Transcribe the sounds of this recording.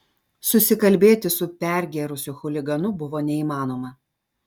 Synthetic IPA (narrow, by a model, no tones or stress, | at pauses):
sʊsʲɪkɐlʲbʲeːt̪ʲɪsʊpʲɛˑɾʲɡʲeɾʊsʲʊxʊlʲɪɡɐnʊbʊʋoːnʲɛiːmɑːnoːmɐ